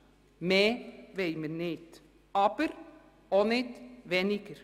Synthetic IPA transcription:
meːʋejməɾnɪt̪ | ɑːbəɾ | onɪt̪ʋɛnɪɡ̥əɾ

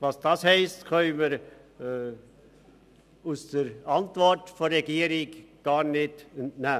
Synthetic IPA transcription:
vɑsd̥ɑshɛɪstkʰœʏməɾ | usd̥əɾɑntvɔɾtforːɛɡiːəɾɪkɡ̥ɑːɾnɪduntnæː

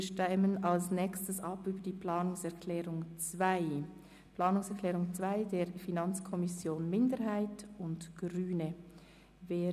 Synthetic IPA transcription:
iːʃtɛmənɑlsnɛːkstəsɑpyːbədiːpʰlɑːnʊŋsɛɐkʰlɛːʁʊŋt͡sv̥aɪ | plɑːnʊŋsɛɐkʰl̥ɛːʁʊŋt͡sv̥aɪdeːɾfinɑnt͡skʰɔmɪsjoːnmɪndəɾɦaɪtʊndɡ̥ʁyːnə | veː

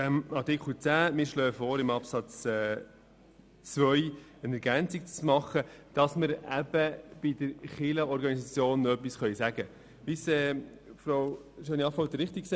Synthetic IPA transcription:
æmɑɾtɪkʰl̩t͡sæːmɪːɾʃlœːəfɔːɾɪmɑpsɑt͡sɛ | t͡svœʏənɛɾɡænt͡sik̚t͡smɑχəd̥ɑsməɾæb̥əb̥ɪdəɾχɪləɔɾɡɑnisɑt͡sjoːnːœpːisχœʏsæɡ̥ə | ʋisɛː | fɾowʃøːniɑfɔwt̪əɾɪχt̪ikse

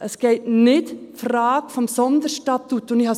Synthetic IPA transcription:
ʔəsɡ̥eɪtnɪtfɾɑːɡ̥fɔmsɔnd̪əɾʃtɑt̪ːutʊnɪhɑ

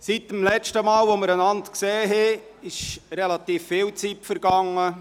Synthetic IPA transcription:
sit̚dəmlɛt͡ʃtəmɑːlʋoməɾənɑnt̪kseːɦɛ | ɪʃɾɛlɑt̪iːfːɪːwt͡sitfəɾɡɑŋːə

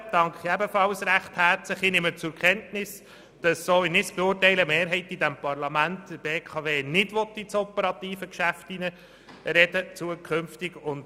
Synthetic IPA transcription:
d̥ɑŋkʰχiɛbəfɑlsɾæχthæɾt͡slɪχɪnɪmət͡sʊɾkʰχɛntnɪs | d̥ɑsːoːɪnɪsb̥ɛʊːrtɛɪləmeːɾɦɛɪtidæmpɑrlɑmæntːəbeːkʰɑveːnɪdʋɔt̪ːit͡sɔpəɾɑtiːfəkʃæftinə | ɾɛdət͡suəkχʏmftɪɡʊnd

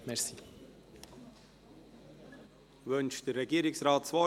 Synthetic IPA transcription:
mɛsi | vœnʃd̥əɾːɛɡiːɾɪksrɑːtt͡svɔ

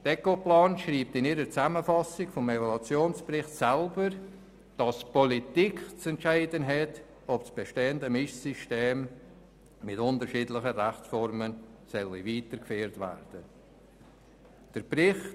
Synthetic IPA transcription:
d̥ɛkoplɑːnʃriːp̚tɪniːɾət͡saməfɑsɪɡfɔmevolɑt͡sjoːnsprɪχtsælbəɾ | d̥ɑspɔlitiːkt͡sɛntʃaɪdənɦɛt | ɔpsb̥eʃteːəndəmɪʃsiʃteːm | mɪtʊntəɾʃiːdlɪχəræχt͡sfɔɾmənsœlːiviːtəɾkfeːɾtvæ̰ɾd̥ə | d̥əɾbrɪχ

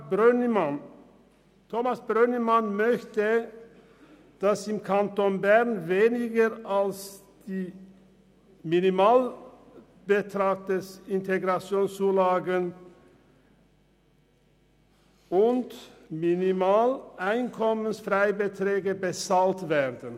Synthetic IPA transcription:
ban | tʰoːmasb̥ʁœnəmanmœçtə | d̥asɪmkʰantonbɛʁnveːnɪɡəʁals | d̥iː | minimaːl | b̥ətʁaːɡ̚d̥ɛsɪnteɡʁat͡sjoːnst͡suːlaːɡən | ʊntminimaːlʔaɪnkʰɔmənsfʁaɪbətʁ̥ɛːɡəbət͡saltvɛːʁdən

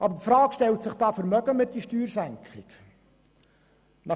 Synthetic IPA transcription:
ʔɑbəɾpfɾɑːkʃtɛltsɪχd̥ɑːfəɾmœɡ̥əmɪt̚ːiʃtyːɾsæŋkχɪk | nɑ

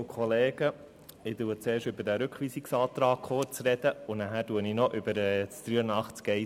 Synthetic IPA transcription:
kχɔleːɡ̥ə | ɪduət͡seːɾʃtʏbədæɾʏkχʋiːsiksɑːt̪ɾɑːkχot͡sɾɛd̥̪əʊnæɦæːɾtuəninɔʔʏbəɾɛstɾyənɑχt͡skɛɪ

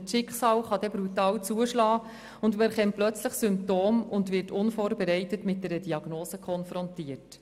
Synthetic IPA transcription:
tʃɪkχsɑːwχɑdɛbɾutɑːwt͡suəʃlɑː | ʊndmɛɾχɛmtplœt͡sləχsʏmp̚toːmʊndʋɪrtʊnfoːɾbɛɾɛɪtətmɪt̚dɛɾədiɑɡ̥noːsəkχɔnfɾɔntiət

